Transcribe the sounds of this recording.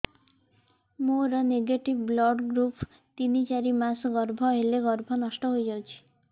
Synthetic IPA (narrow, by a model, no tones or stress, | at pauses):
moɾɔneɡeʈibblɔɖɡɾupʰ | t̪init͡ʃaɾimasɡɔɾbʱɔɦeleɡɔɾbʱɔnɔʃʈɔɦojd͡ʒawt͡ʃʰi̥